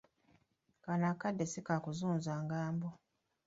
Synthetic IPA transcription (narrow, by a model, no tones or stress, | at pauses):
kanakːadːesikakuzuːnzaːŋɡaːmbo